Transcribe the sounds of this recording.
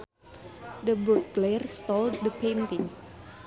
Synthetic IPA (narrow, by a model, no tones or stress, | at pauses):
dəbuk̚ɡlerst̪ɔlddəpent̪iŋ